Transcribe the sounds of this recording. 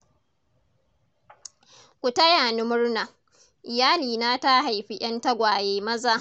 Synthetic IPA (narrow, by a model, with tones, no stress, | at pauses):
kʷu˨ta˦jaː˨nʊ˦mʊ˦ɽna˨ | ʔɪ˨jaː˦liː˨naː˦ta˦ɦa˨jɸi˦ʔʲɐ˦nta˦ɡʷaː˨jeː˨˦mɐ˦zaː˨